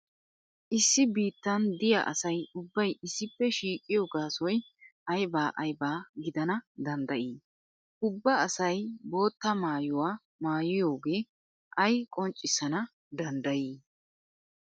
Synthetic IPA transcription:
ʔɪsːɪbiːt̪ːɐnd̪ɪjɐ̰ʔɐsɐjʊbːɐjɪsːɪpːɛʃiːkʼːɪjo̞ːɡaːsɔj | ʔɐjbaːʔɐjbaːɡɪd̪ɐnɐd̪ɐnd̪ɐʔiː | ʊbːɐɐsɐjbo̞ːt̪ːɐmaːjʊwaː | maːjɪjo̞ːɡe̞ː | ʔɐjkʼɔnt͡ʃʼːɪsɐnɐ | d̪ɐnd̪ɐjiː

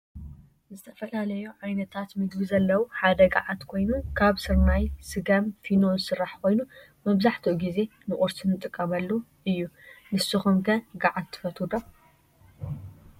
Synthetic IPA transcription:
zɨt̪ʰɐ̥fɐlalɐjuʕajnɐt̪ʰat̪mɨɡβizɐlːɐwuħad̪ɐɡa̰ʕat̪kʰo̞jnukʰaβsɨɾnajsɨɡamfinonsɨrːaħkʰo̞jnu | mɐβzaħt̪ʰiʔuɡize̞nɨʔʼuɾsɨnɨt̪ʼɨkʼːɐmɐlːuʔɨjːunɨsɨxumkʰɐɡaʕad̪t̪ʰːɨ̥fɐt̪ʰud̪om

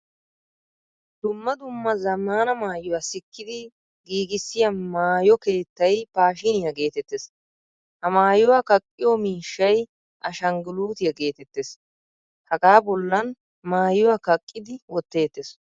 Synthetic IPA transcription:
d̪̥ʊmːɐd̪ʊmːɐzɐmːaːnɐmaːjʊwasɪkːɪd̪ɪ | ɡiːɡɪsːɪjɐnmaːjɔke̞ːt̪ːɐjpaːʃɪnɪjɐɡe̞ːt̪ɛt̪ːes | hɐmaːjʊwaːkɐkʼːɪjomiːʃːɐj | ʔɐʃɐŋɡɪluːt̪ɪjɐɡe̞ːt̪ɛt̪ːeːs | hɐɡaːbɔlːɐn | maːjʊwakɐkʼːɪd̪ɪwɔt̪ːe̞ːt̪ːes

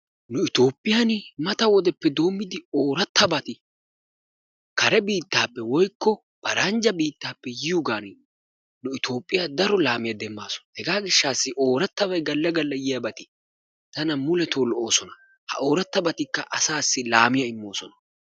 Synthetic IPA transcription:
nʊɪt̪o̞ːpʼːɪjanɪmɐt̪ɐwɔd̪ɛpːɛd̪o̞ːmːɪd̪ɪoːɾɐt̪ːɐbɐt̪ɪ | kɐɾɛbiːt̪ːaːpːɛwɔjkːɔ | b̥ɐɾɐnd͡ʒɐbiːt̪ːaːpːɛjɪjʊɡaːn | nʊɪt̪o̞ːpʼːɪjad̪ɐɾɔlaːmɪjɐd̪ɛmːa̰ːsɔ̥nhɛɡaːɡɪʃːaːsːɪʔo̞ːɾɐt̪ːɐbɐjɡɐlːɐɡɐlːɐjɪjɐbɐt̪ɪ | t̪ɐnɐmʊlɛt̪oːlɔʔo̞ːsɔnɐ | hɐ̰ʔo̞ːɾɐt̪ːɐbɐt̪ɪkːɐʔɐsaːsːɪlaːmɪjɐɪmːo̞ːsɔnɐ

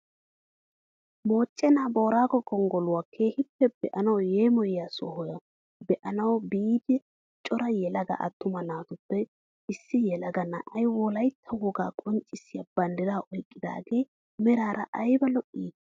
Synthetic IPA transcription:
moːt͡ʃʼːɛnaːbo̞ːɾaːɡɔkɔŋɡɔlʊwakʰeːhɪpːɛb̥ɛʔɐnɐwjeːmɔjjaːsɔhɔjɐ | bɛʔɐnɐwbiːd̪ɪ | t͡ʃʼɔɾɐjɛlɐɡɐ̰ʔɐ̰t̪ːʊmɐnaːt̪ʊpːɛ | ɪsːɪjɛlɐɡɐnɐ̰ʔɐjwɔlɐjt̪ʰːɐwɔɡa̰ːkʼɔnt͡ʃʼːɪsɪjabɐnd̪ɪd̪aːʔɔjkʼːɪd̪a̰ːɡe̞ː | mɛɾaːɾʔɐʔɐjbɐlɔʔːiːd̪

